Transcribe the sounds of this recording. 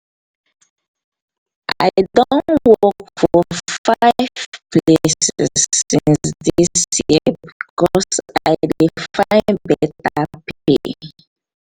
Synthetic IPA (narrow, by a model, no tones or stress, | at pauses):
ʔa̰ɪdõnnwɔkfɔfaɪv̥plesɛ̰sĩnsðissjiəbikɔsaɪdifaɪ̃nbɛtapiḭ